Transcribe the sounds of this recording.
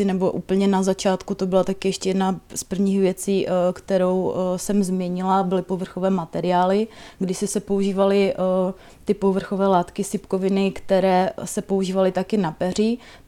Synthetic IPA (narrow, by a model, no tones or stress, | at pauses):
ɪnɛbo̞ʔṵːpl̩ɲɛnazat͡ʃaːt̪kut̪o̞bɪlat̪akɪjɛʃcɛjɛdnaspr̩vɲiːxvjɛt͡siːkt̪ɛɾo̞wsɛmzmɲɛɲɪlabɪlɪpo̞vr̩xovɛːmat̪ɛɾɪaːlɪɡdɪsɪsɛpouʒiːvalɪ | t̪ɪpo̞vr̩xo̞vɛːlaːt̪kɪsɪpkovɪnɪkt̪ɛɾɛːsɛpo̞uʒiːvalɪt̪akɪnapɛr̝ɪ